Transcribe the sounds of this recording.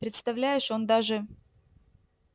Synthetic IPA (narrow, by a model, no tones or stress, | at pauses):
pɾʲɪt̪st̪ɐvlʲæjɪʂo̞nd̪aʐɨ